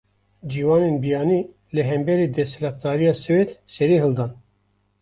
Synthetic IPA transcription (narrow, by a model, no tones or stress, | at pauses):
d͡ʒiːwɑːnenbijɑːniː | lɨɦɛmbɛɾiːd̪ɛslɑt̪̚d̪ɑːɾijɑːsɨweːt̪sɛɾiːɦɨld̪ɑːn